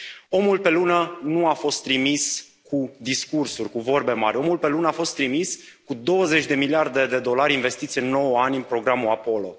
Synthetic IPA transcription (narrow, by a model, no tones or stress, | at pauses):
o̞mulpe̞lunənuafo̞st̪ːɾimis | kud̪iskursurʲkuvo̞rbe̞ma̰ɾʲo̞mulpe̞lunəafo̞st̪ɾimis | kud̪o̞wəze̞t͡ʃʲd̪e̞miliard̪e̞d̪e̞d̪o̞laɾʲinve̞st̪it̪siɨnːo̞wəanʲɨnpɾo̞ɡɾamuapo̞lo̞̰